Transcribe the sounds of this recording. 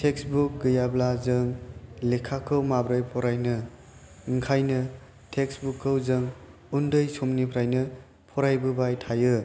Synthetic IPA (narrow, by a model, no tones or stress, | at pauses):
tʰeksbuk̚ɡɯjablazɯŋlekʰːakʰɯwmabɾɯjpʰɔɾajnɯ | ŋkʰajnɯ | tʰeksbukʰːɯwzɯŋ | undɯjsomnipʰɾajnɯ | pʰɔɾajbɯbajtʰajɯ